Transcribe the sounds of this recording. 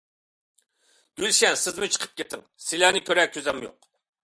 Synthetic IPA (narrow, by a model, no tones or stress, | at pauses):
d̪̥ylʃɛnsɪzmut͡ʃʰə̥qʰə̥p̚kʲet̪ʰɪŋsɪlænɪkʲʰøɾɛkʲʰːøzɛmjo̰q